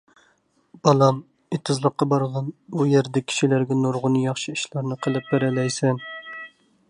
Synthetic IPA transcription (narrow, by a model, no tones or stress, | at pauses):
b̥ɑlˠɑm | it̪ʰɨzlˠəqːɑbɑɾʁɑnbujeɾd̪ɛkʲʰi̥ʃilæɾɡʲɛnoɾʁʊnɨjɑχʃɨiʃlˠɑɾnɨqʰəlˠɨp̚bæɾɛlɛjsɛn